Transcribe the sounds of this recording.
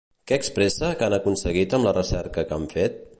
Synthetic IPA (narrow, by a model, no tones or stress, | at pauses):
kɛːkspɾɛsəkanəkunsəɣ̞it̪əmlərəsɛɾkəkaɱfet̪̚